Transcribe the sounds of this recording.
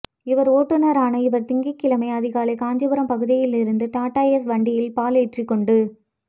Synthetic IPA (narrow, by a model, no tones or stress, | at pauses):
ɪʋɐɾoːʈːɯnɐɾaːnɐɪʋɐɾt̪ɪŋɡɐkːɪlɐmɐɪɐðɪɣaːlɐɪkaːɲd͡ʒɐbɯɾɐmpɐɣɯðɪjɪlɪɾɯnd̪ɯʈaːʈːaːjɛs̬ʋɐɳɖɪjɪlpaːleːʈrikːɔɳɖɯ